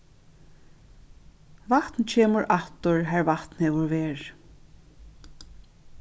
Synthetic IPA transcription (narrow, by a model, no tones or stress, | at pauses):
vaht̪nt͡ɕʰɛːmʊɹʔaht̪ʊɹɦæɹvaht̪nhɛːʋʊɹvɛːɹ